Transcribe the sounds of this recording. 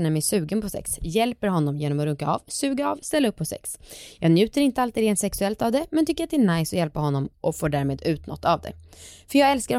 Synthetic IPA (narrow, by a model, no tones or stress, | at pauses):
næɾmɛsʉ̟ːɡənpʰɔsɛ̰ksjɛlpəɾɦɔnːɔmjeːnɔmɔɾɵŋkːaɑ̰vsʉ̟ːɡaːvst̪ɛlːaɵpːɔsɛ̰ksjɑːɡnjʉ̟ːt̪əɾɪnt̪əalt̪iɾeːnsɛksɵɛlt̪avd̪ɛmɛnt̪ʰʏkːəɾat̪d̪ɛæːɳajsɔjɛlpaɦɔnːɔmʔɔfoːɖæːɾmeːd̪ʉ̟ːt̪nɔ̰t̪ːavd̪ɛ̰fœɾjɑːɡɛlskaɾ